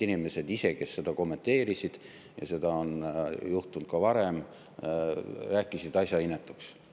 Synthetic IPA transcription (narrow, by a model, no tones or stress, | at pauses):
inime̞se̞d̪ise̞ke̞sːe̞d̪̥ɑko̞mːe̞nt̪e̞ːɾisid̪̥ | jɑ̰se̞d̪̥ɑonjuht̪unt̪̚kɑvɑɾe̞m | ræːkːˑisid̪ɑsjɑinːet̪ːˑuks